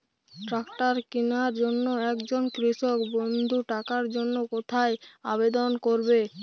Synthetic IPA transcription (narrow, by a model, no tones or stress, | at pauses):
ʈɾakʈaɾkinaɾd͡ʑonːoɛkd͡ʑonkɾiʃokbond̪ʱuʈakaɾd͡ʑonːokot̪ʰaeabed̪onkoɾbe